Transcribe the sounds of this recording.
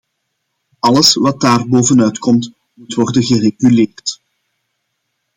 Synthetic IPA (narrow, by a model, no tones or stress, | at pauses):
ɑləsʋɑt̚daːrboːvənœɥtkʰɔmt | mutʋɔrdənɣəreɣyleːrt